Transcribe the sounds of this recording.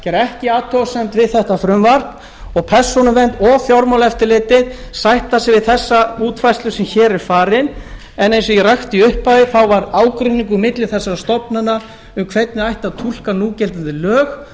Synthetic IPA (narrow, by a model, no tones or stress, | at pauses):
cɛɾɛhcɪaːt̪ʰɔsɛmt̪vɪðθɛht̪afɾʏmvar̥n | ɔɣpʰɛɾ̥sɔnʏvɛnt̪ɔɣfjɔɾmɔwlɛft̪ɪɾlɪːt̪ɪðsajht̪asɪvɪðθɛsːauːt̪fajst̪lʏsɛmçɛːɾɛɾ̥faːɾɪn | ɛnejnsɔiraxt̪iʏhpaðɪθawvaɾaːwkɾʏnĩŋk̬ʏmɪt̪lɪ̥θɛsːaɾast̪ɔpnana | ʏmkʰvejt̪nɪajht̪aðt̪ʰul̥kanuːcɛlt̪ɪnt̪ɪlœːx